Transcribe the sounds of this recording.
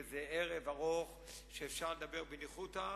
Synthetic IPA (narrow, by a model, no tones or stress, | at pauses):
zeʔeʁevaʁoχ | ʃeːfʃaʁled̪abeʁbeniχut̪a